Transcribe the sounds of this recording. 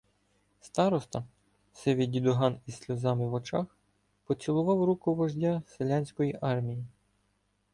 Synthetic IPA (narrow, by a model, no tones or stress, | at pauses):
st̪ɑɾɔst̪ɐ | sɪʋʲidʲid̪ɔɦɑnisʲlʲɔzɑmɪwɔt͡ʃɑx | pɔt͡sʲsʲilˠʊʋɑwɾukʊʋɐʒdʲaselʲanʲsʲkɔjiʔɑrmʲiji